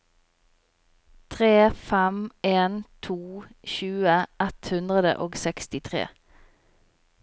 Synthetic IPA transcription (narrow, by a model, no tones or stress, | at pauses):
t̪ʰʁeːfæmeːnt̪ʰuːçʉːəʔɛt̪hʉnd̪ʁəd̪ə̰ʔoːɡsɛkst̪ɪt̪ʰʁḛː